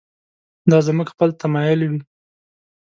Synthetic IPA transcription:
d̪ɑzmuɡxpəlt̪amɑjʊlwi

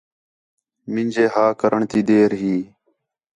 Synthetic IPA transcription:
mɪ̃nʲd͡ʒeːɦaːkəɾəɳt̪iːd̪eːɾɦiː

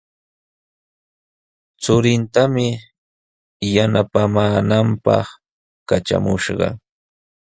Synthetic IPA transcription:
t͡sʊɾɪnt̪amɪ | janapamaːnampɑ̰χ | kat͡ʃa̰mʊʃɢɑ̰

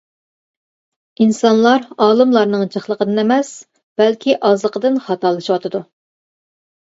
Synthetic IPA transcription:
insɑnlˠɑɾɑːlˠɨmlˠɑɾnɨŋt͡ʃəχlˠəqʰəd̪ɨnɛmɛs | b̥ɛlkʲʰiʔɑzlˠəqəd̪ɨnχɑt̪ɑlˠɨʃiwɑt̪ʰɨd̪u

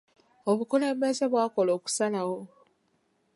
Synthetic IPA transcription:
oβukule̞ːmbe̞ze̞βwaːko̞lo̞ːku̥sanawo̞

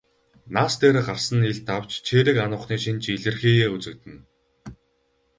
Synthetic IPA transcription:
naːst̪ʰeːɾĕːɢarsə̆niɮt̪ʰaw̥t͡ɕt͡ɕʰeːɾɘ̆kanʊːχniːʃint͡ɕiɮɘ̆rxeːjeːut͡sɘ̆k̚t̪ɘ̆n

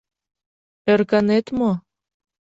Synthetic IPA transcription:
erkɑnet̪mo

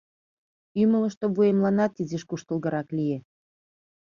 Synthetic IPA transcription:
ymələ̆ʃt̪oβujemlˠɑnɑt̪iziʃkuʃt̪ə̆lˠɣə̆ɾɑklʲije

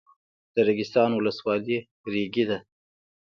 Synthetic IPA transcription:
d̪̥əɾaɡɪst̪ɑnwʊləswɑli | ɾeɡid̪a

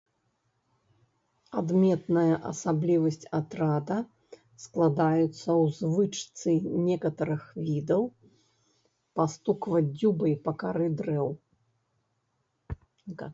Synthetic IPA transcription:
ad̪mʲɛt̪nɐjɐʔɐ̰sablʲivɐsʲt͡sʲat̪ɾad̪ɐ | sklˠad̪ajut̪sːɐwzvɨt͡ʂt̪sɨnʲɛkɐt̪ɐɾɨxvʲid̪ɐw | past̪ukvɐd͡zʲubɐjpɐkaɾɨd̪ɾɛw

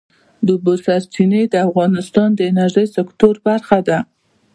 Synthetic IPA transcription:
d̪əbosaɾt͡ʃined̪əafɣɑnɪst̪ɑnd̪əɪnaɾʒəjsɪkt̪oɾbaɾxad̪a

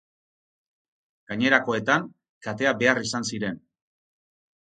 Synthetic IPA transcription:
ɡ̥aɲe̞ɾako̞e̞t̪aŋ | kat̪e̞abe̞arisansiɾe̞n

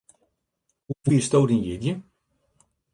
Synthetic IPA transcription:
ufiəstowdinjɪdjə

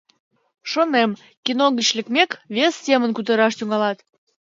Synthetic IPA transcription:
ʃonem | kinoɣət͡ɕlʲəkmʲekβʲestʲemənkut̪̬əɾɑʃt̪yŋɑlɑt̪

